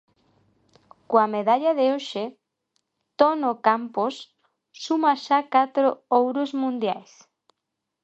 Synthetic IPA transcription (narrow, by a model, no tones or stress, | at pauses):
koameðaʎaðeoʃe | t̪onokamposː | umaʃakat̪ɾoowɾʊzmũnd̪jajs